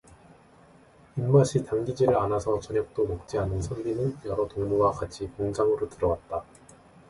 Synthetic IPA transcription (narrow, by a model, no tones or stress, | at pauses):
imːaɕʰitaŋɡid͡ʑiɾɯɭanasʰʌt͡ɕʌɲjʌk̚t͈omok̚t͡ɕ͈ianɯnsʰʌɭːinɯnjʌɾʌtoŋmuwakat͡ɕʰikoŋd͡ʑaŋɯɾotɯɾʌwat̚t͈a